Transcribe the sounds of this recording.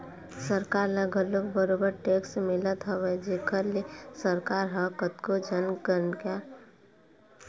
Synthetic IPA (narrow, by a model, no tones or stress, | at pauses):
səɾkaːɾləɡəloɡ̚bəɾobəɾʈeːksmɪlət̪ɦəʋed͡ʒekəlesəɾkaːɾɦəkət̪kod͡ʒənkəɾnka